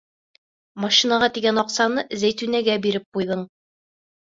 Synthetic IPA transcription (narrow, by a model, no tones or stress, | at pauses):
mɐʃinɑʁɑt̪iɡænɒqsɑnɤzæjt̪ʉnæɡæbiɾɘp̚qujðɤɴ